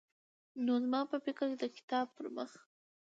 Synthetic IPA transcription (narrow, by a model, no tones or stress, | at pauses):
nozmɑpəfɪkəɾked̪əkɪ̥t̪ɑb̚pəɾmə̰x